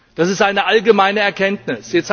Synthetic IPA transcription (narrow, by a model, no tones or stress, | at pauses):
d̥asɪstʔaɪnəʔalɡəmaɪnəɛɐkʰɛntnɪsjɛt͡st